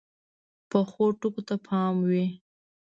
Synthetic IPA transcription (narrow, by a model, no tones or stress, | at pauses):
pəxoʈukot̪apʰɑmwi